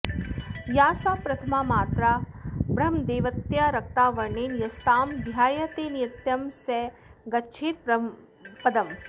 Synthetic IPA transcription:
jaːsaːpɾɐt̪ʰɐmaːmaːt̪ɾaːbɾɐmd̪eːʋɐt̪jaɾɐk̚t̪aːʋɐɾɳeːnjɐst̪aːmd̪ʱjaːjɐt̪eːnijɐt̪jɐmsɛ | ɡɐtːʃʰeːɾ̚ɐ | pɐd̪ɐm

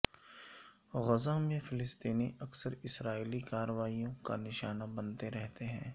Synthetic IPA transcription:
ɣɐzãmẽfʰɪlɪst̪iːniʔɐksəɾɪsɾaːiːlikaːɾəʋaːijõka̰nɪʃaːnabɐnt̪eɾɛɦt̪eɦɛ̃ː

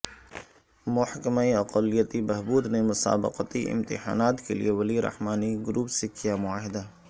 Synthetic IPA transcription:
mʊħkəmaiɐqəlijət̪ibɛɦbuːd̪nemʊsa̰ːbɪ̰qət̪iʔɪ̰̃mt̪ɪ̰ha̰ːnaːt̪kelḭeʋɐliɾɐ̰hmaːniɡʊɾuːpsekijamʊaːɦɪd̪aː

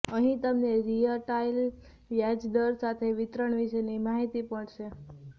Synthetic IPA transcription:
əɦĩt̪əmneɾiəʈail | ʋjad͡ʒd̪əɾsat̪ʰeʋɪt̪ɾəɳʋiʃenimaɦit̪ipəɳʃe

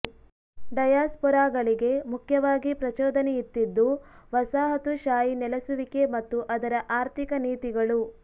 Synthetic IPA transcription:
ɖɐjaːspɔɾaːɡɐɭiɡe̞mukʰjɐʋaːɡipɾɐt͡ʃɔːd̪ɐnɛjit̪ːid̪ːuʋɐsaːɦɐt̪uʃaːjinɛlɐsuʋike̞mɐt̪ːuʔɐd̪ɐɾɐʔaːɾt̪ʰikɐniːt̪iɡɐɭu

